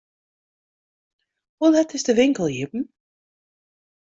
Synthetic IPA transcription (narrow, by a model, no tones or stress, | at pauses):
hulˠɛtɪsdəʋɪŋkəl̩ˠjipn̩